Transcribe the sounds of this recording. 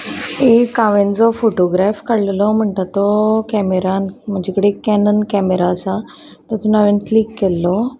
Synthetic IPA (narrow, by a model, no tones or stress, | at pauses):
ekːaʋẽnd͡zɔfoʈoɡɾafkəɽlɛlɔm̤əɳʈ̪at̪ːɔkɛmeɾanm̤əɳd͡ʑekəɽekɛnənkɛmeɾaəsa | t̪ət̪unaʋenkliːkːelːɔ